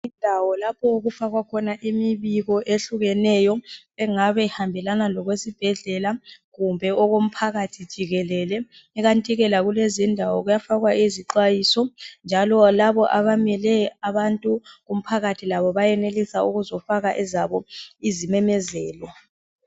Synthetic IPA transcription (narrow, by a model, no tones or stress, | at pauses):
indʱawɔlapʰɔuɣufaɣwakʰɔnaʔimiβiɣɔʔeɬuɣɛnɛjɔ | ɛŋaβɛhambʱɛlanalɔɣwesib̥ʱɛɮɛlaɣumbʱɛɔɣom̩pʰaɣatʰid̥ʒ̥ʱiɣɛlɛlɛ | ɛɣantʼiɣɛlaɣulezindʱawɔɣujafaɣwaʔiziǃajiːsɔnd͡ʒʱalɔlaβɔʔaβamɛlɛaβantʼuɣum̩pʰaɣatʰilaβɔβajɛnelisauɣuzɔfaɣaʔɛzaβɔizimɛmɛzɛːlwa